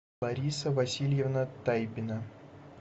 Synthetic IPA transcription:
bɐɾʲisəvɐsʲilʲjɪvnət̪ajbʲɪnə

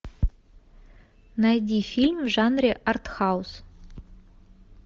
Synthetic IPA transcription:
najd̪ʲifilʲmʐɑnrʲeʔart̪χɑws

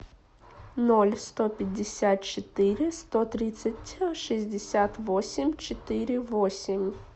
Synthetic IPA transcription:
nɔlʲst̪ɔpʲɐdʲːesʲat̪̚t͡ʃet̪ɪɾʲɪst̪ɔt̪ɾɪt̪sʲɐtʲʃizʲd̪ʲesʲat̪ʋɔsʲimʲt͡ʃet̪ɪɾʲɪʋɔsʲimʲ

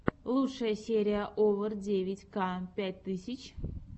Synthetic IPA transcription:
lˠutʂəjəsʲeɾʲɪjəʔovərdʲevʲɪtʲkapʲætʲt̪ɨsʲɪt͡ɕ

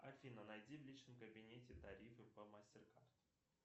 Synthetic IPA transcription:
ɐfʲinənɐjdʲivlʲit͡ɕnəmkəbʲɪnʲetʲɪt̪ɐɾʲifɨpəmasʲtʲɪrkart̪

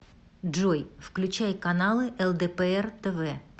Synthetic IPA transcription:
ʐojfklʲʉt͡ɕæjkɐnalˠɨʔɛlˠd̪ɛpɛɛrt̪ɛvɛ

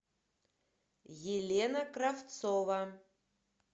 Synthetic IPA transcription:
jelʲenəkraft̪sova

